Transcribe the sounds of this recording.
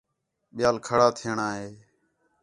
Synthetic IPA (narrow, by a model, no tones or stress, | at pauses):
ɓɪjaːlkʰəɽaːt̪ʰɪɳaːɦeː